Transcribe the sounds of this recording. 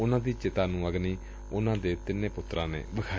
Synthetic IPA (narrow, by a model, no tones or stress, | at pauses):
ʊnãːd̪iːt͡ʃɪt̪aːnũːəɡniː | ʊnãːd̪eːt̪ɪnẽːpʊt̪ːɾãːnḛːbəkʰaː